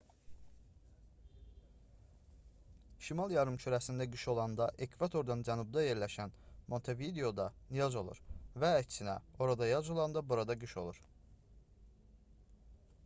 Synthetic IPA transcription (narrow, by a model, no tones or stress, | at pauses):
ʃimɑlˠjɑɾɯmt͡ʃʰøɾæsind̪æɡɯʃo̞lˠɑnd̪ɑʔekʰvɑt̪ʰo̞ɾd̪ɑnd͡ʒænubd̪ɑje̞ɾlæʃænmo̞nt̪ʰevid̪eo̞d̪ɑnijɑzo̞lˠṵɾvæːcsinæ̰o̞ɾɑd̪ɑjɑzo̞lˠɑnd̪ɑbuɾɑd̪ɑɡɯʃo̞̰lˠuɾ̥